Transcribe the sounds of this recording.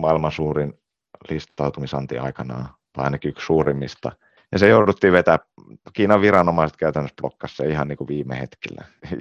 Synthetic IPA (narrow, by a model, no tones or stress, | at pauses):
mɑilmɑnsuːrin | list̪ɑut̪umisɑnt̪ḭɑikɑnɑ̰ː | t̪ɑ̰inɑkyksuːrimːist̪ɑ̰ | jɑsejouɾut̪ːiːʋet̪æː | kiːnɑʋʋirɑnomɑiset̪kæyt̪ænːøsplo̰kːɑsːɑihɑnniːkuʋiːmːḛhet̪kḭlːæ̰